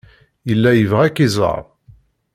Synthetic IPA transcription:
jəlːæjəvʁækːizˤə̰ɾ

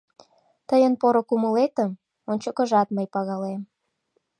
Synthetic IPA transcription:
t̪əjənpoɾokuməlet̪əm | onʲt͡ɕokə̆ʒɑt̪məjpɑɣɑlem

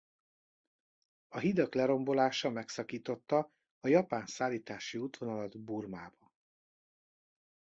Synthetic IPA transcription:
ɒɦid̪ɒklɛɾo̞mbo̞laːʃɒmɛksɒkiːt̪o̞t̪ːɒː | jɒpaːnsaːliːt̪aːʃiut̪ʋo̞nɒlɒd̪burmaːbɒn

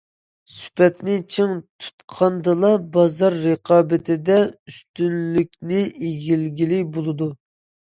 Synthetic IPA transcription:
sy̥pʰɛt̪nɪt͡ʃʰiŋt̪ʰu̥t̪qʰɑnd̪ɨlˠɑbɑzɑɾːəqʰɑːbɪt̪ʰɪd̪ɛyst̪ynlykʲnɪʔeɡʲilɡʲilɪbolˠɨd̪u

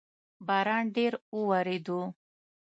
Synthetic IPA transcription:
baɾaɳɖeɾuwaɾed̪u

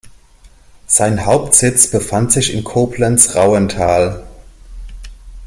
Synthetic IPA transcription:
z̥aɪnɦaʊptz̥ɪt͡sb̥əfantz̥ɪçɪnkʰoːpʰlənsʁaʊəntʰaːl

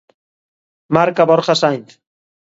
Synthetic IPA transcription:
maɾkaβoɾχasajnθ

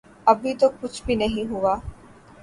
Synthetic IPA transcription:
ɐbit̪okut͡ʃbinɐɦĩɦuʋaː

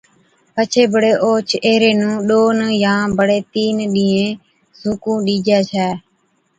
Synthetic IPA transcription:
pət͡ʃʰeːbəɽeːʔoːt͡ʃʰeːɾeːnũːɗoːnjãːbəɽeːt̪iːnɗĩːẽː | zuːkũːɗiːd͡ʒaːt͡ʃʰɛː

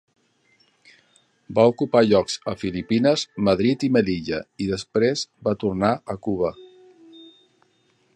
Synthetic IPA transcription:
baukupaʎɔkz̥əfilipinəzməðɾit̪iməliʎəiðəspɾezbat̪urnaəkuβ̞ə

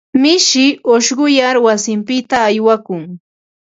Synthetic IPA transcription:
mɪʃɪoʃɢʊjaɾwasɪmpɪt̪aːjwakʊŋ

